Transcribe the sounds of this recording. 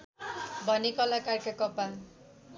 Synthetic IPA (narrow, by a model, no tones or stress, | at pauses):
bʱʌnekʌlakarkʰakɔpa